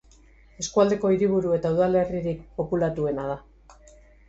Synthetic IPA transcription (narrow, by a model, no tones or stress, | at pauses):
e̞skuald̪e̞ko̞iɾiβ̞uɾue̞t̪auðale̞riɾik̚po̞pulat̪ue̞nað̞a